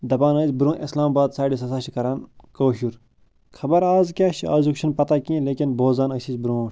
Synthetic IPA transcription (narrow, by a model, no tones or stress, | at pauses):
d̪ɐbaːnɐːzbɾũːʔeslaːmbaːd̪saːɖis̬ɐsaːʃʰikɐɾankoːʃuɾ | kʰɐbɐɾaːzkʲaːʃia̰ːzukʃʰɐnpɐt̪akĩːleːkʲinboːzaːnɐʃizbɾõːʈʰʲ